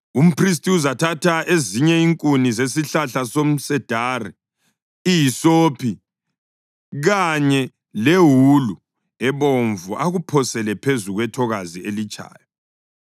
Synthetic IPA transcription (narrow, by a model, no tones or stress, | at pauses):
um̩pʰris̬tʰʼiuzatʰatʰaʔeziɲɛiŋkʼunizesiɬaɬasom̩sɛd̥ʱaːrḭ | ijisopʰi | ɣaɲɛ | leɦulu | ɛβoɱvuʔaɣupʰɔsɛlɛpʰezuɣwɛtʰɔɣazielit͡ʃʼa̰ːjɔ